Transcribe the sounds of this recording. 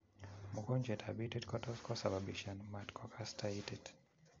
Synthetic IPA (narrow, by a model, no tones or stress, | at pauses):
mukɔnd͡ʒɛtʰabitɛtkɔtɔskɔsababiʃanmatkʰɔkʰastʰaitɛt